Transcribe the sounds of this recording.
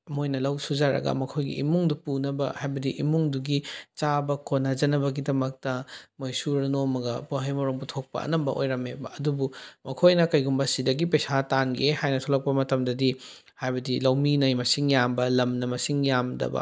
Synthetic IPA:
ɐmojnɐlɐwsud͡ʒaɾɐ̰ɡɐ̰mɐkʰojɡḭḭmuŋdupunɐbɐhajbɐdiʔimuŋduɡit͡ʃabɐkʰonad͡ʒɐnɐbɐɡidɐmɐk̚tɐmojsuɾɐnomɐɡɐpoɦɐjmoɾoŋbutʰok̚pɐ̰ʔɐ̰nɐmbɐ̰ʔo̰jɾɐmebɐɐdubumɐkʰojnɐkɐjɡumbɐsidɐɡipɐjsatanɡehajnɐtʰolɐk̚pɐmɐtɐmdɐdi | hajbɐdilɐwminɐjmɐsiŋjambɐlɐmnɐmɐsiŋjamdɐ̰bɐ̰

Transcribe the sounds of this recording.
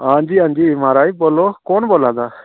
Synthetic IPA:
and͡ʒiand͡ʒimaɾajbɔlɔkɔnbɔlad̪a

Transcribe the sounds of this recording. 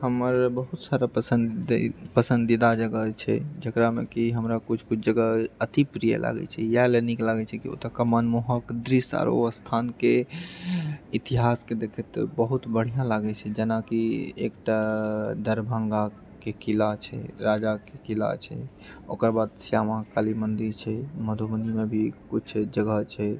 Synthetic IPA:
həməɾbəɦut̪saɾapəsənpəsə̃nd̪id̪ad͡ʒəɡət͡ʃʰɛ̰d͡ʒəkɾamekiɦəmɾakut͡ʃʰkut͡ʃʰd͡ʒəɡaət̪ipɾijə̰lʔa̰ɡɛ̰t͡ʃʰɛjaleniklaɡɛt͡ʃʰɛkio̰t̪akəmənmuɦəkd̪ɾisa̰ɾo̰əst̪ʰanke | it̪iɦasked̪ekʰɛt̪bəɦut̪bəɽ̤ijãlaɡɛt͡ʃʰɛd͡ʒenakiḛkʈad̪əɾbʱəŋɡa | kekilat͡ʃʰɛ̰ɾad͡ʒakekila̰t͡ʃʰɛ̰ | o̰kəɾbad̪sjamãkalimənd̪iɾt͡ʃʰɛməd̪ʱomənimebʱikut͡ʃt͡ʃʰd͡ʒəɡət͡ʃʰɛ

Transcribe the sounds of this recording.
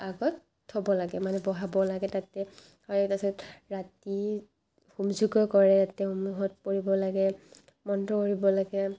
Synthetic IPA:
aɡɔt | hɔbɔlaɡɛmanɛbɔɦabɔlaɡɛtatɛ | hɔɹɛtasɔtɹati | humzuɡɔkɔɹɛtatɛhumuɦɔt̚poɹibɔlaɡɛ | mɔntɔkoɹibɔlaɡɛ

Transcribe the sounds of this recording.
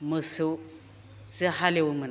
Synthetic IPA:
məsu | zehaliwumən

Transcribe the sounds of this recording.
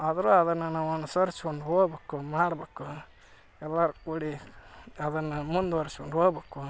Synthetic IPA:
ɐd̪ɐɾuɐd̪ɐnːɐnːɐʋɐnːusɐɾskond̪uoːɡbeːkumaːɽɐbeːku | ɛlːaɾukuːɽi | ɐd̪ɐnːɐmund̪uʋɐɾsɐkonɖ̪oːɡbeːku

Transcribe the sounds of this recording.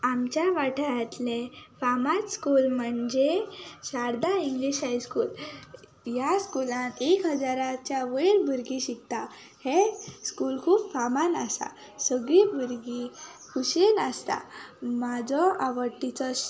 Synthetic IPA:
amt͡ɕjaʋaʈʰaɦət̪lefamat͡sskulməɳd͡ʑesaɾd̪aiŋɡliɕajskuːl | jaskulãnekɦəd͡zaɾat͡ɕjaʋəɾbuɾɡiɕik̚t̪a | heskuːlkʰuːpfamanəsa̰ | səɡɭibəɾɡi | kʰuɕenəst̪a̰mad͡zɔaʋəʈːit͡sɔs

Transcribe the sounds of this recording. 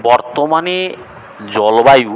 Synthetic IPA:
bɔɾt̪omane | d͡ʑɔlobaju

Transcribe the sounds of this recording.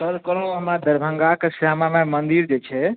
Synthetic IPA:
səɾkəɾə̃əɦmɾad̪əɾbʱəŋɡakesamamemənd̪iɾd͡ʒet͡ʃʰɛ

